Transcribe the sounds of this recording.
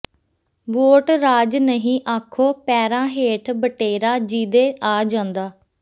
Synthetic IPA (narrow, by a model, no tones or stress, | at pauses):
ʋoːʈɾaːd͡ʒnəɦĩːʔaːkʰːoːpɛːɾãːɦeːʈʰbəʈeːɾaːd͡ʒiːd̪eːʔaːd͡ʒãːnd̪aː